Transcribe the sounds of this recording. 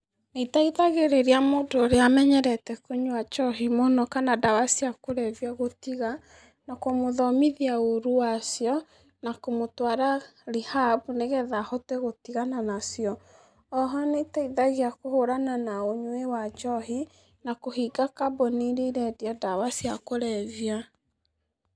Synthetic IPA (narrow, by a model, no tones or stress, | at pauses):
neitaiðaɣeɾeɾeamoːdoːɾeamɛɲɛɾɛtɛkoɲwat͡ʃɔɦimonɔkanadawasiakoɾɛðjaɣotiɣa | nakomoðɔmiðiaoɾuwasjɔ | nakomotwaɾaɾihabuneɣɛðahɔtɛɣotiɣananasjɔː | ɦɔnetaiðaɣiakohoɾananaoɲwewat͡ʃɔɦi | nakohiɡakabɔniɾeiɾɛdiadawasiakoɾɛvia